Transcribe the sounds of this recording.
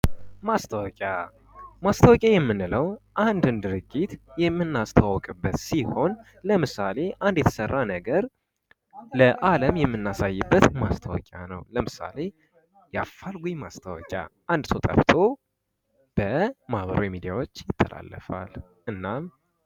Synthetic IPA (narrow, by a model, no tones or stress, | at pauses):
mast̪ʰəwɔkʼja | mast̪ʰəwɔkʼjajɛmːɨnɨləwʔand̪ɨnd̪ɨɾɨɡːit̪jɛmːɨnːast̪ʰəwawɔkʼɨbːət̪siho̞n | ləmɨsale̞ʔand̪jɛt̪ʰə̥sərːanəɡəɾ | ləʔaləmjɛmːɨnːasajːɨbːət̪mast̪ʰəwɔ̰kʼa̰nə̰wləmɨsa̰le̞ | jafːalɡujmast̪ʰəwɔ̰kʼja̰ʔand̪t̪ʰo̞t̪ʼə̰ft̪ʰo̞ | b̥əmahβəɾowjmid̪ijawo̞t͡ʃːjɪt̪ʰːəla̰lːə̰fa̰l | ʔɨnːam